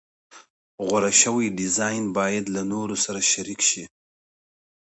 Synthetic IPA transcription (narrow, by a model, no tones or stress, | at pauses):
ɣwaɾaʃəwajɖɪzɑjnbɑjad̪lanoɾosaɾaʃaɾikʃi